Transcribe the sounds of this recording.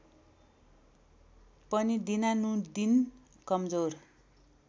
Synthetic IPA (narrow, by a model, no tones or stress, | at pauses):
pʌnid̪inanũd̪in | kʌmd͡zor